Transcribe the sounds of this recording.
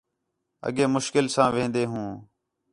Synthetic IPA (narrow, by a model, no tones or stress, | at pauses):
ə̰ɠeːmʊʃkɪlsãːʋẽːnd̪eːɦũː